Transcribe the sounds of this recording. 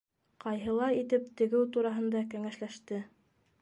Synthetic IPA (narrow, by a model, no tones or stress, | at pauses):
qɑjɦɤ̆lˠɑit̪ɘp̚t̪ɘ̆ɡɘwt̪uɾɑɦɤ̆nd̪ɑkæŋæʃlæʃt̪ɘ